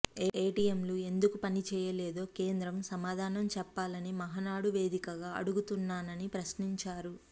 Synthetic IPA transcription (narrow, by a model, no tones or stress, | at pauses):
eːʈiemlue̞nd̪ukupɐnit͡ʃɛːjɐlɛːd̪o̞ːke̞ːnd̪ɾɐmsɐmaːd̪ʱaːnɐmt͡ʃɛpːaːlɐnimɐɦɐnaːɽuʋe̞ːd̪ikɐɡaːɐ̰ɽuɡut̪unːaːnɐnipɾɐsniɲt͡ʃaːɾu